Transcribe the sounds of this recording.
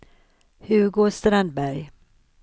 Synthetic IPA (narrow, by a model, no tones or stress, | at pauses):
hʉɾɡoːst̪ɾand̪̚bæɾj